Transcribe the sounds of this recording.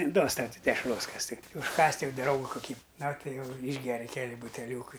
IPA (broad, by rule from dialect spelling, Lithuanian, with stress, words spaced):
ˈduɔs ˈtɐʊ ˈtʲɪ dʲɛʃˈroːs ˈkɐs tʲɪ ʊʃˈkɑːsʲtʲ ˈjɛʊ ˈdrɐʊɡɐ kʊˈkʲiː nɐ ˈtɐɪ ˈjɛʊ ˈiːʒʲɡʲɛrʲɪ ˈkʲæːlʲɪ bʊtʲɛˈlʲuːkɐɪ